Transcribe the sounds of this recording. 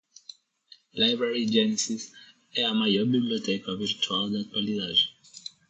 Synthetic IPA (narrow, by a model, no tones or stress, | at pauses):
lajbɾaɹid͡ʒɛnisis | ɛamajɔɾbibliɔtɛkaviɾtʰuald̪at̪waliðad͡ʒi